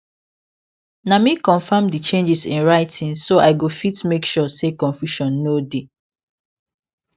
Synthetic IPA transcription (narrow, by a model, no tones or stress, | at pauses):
namikɔ̃nfamdit͡ʃẽnd͡ʒisĩnɹaɪtʰĩŋsoʔaɪɡofitmekʃɔsekɔ̃nfjuʃɔ̃nːode